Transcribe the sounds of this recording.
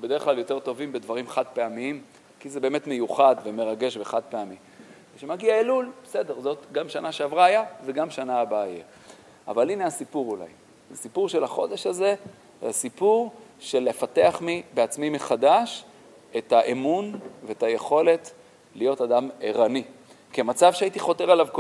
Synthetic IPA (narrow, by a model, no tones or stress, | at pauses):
bed̪e̞ʁeχlaljo̞t̪e̞ʁt̪o̞vimbe̞d̪vaʁimaχad̚peamiim | kizebe̞ːme̞t̪me̞juχad̪veme̞ʁaɡe̞ʃbeχad̪̚peami | ʃemaɡiaelulbese̞de̞ʁzo̞t̪ɡamʃanaʃeavʁaajaveɡamʃanaːbaːjḛ | a̰valine̞asipuʁula̰j | sipuʁʃe̞laχo̞̰d̪e̞ʃaze̞ | asipuʁʃe̞lefate̞aχmibe̞at͡smimeχadaʃ | ethaʔemunveetaje̞χo̞le̞t | lijo̞tadameʁani | kemat͡savʃeait̪iχo̞teʁalavk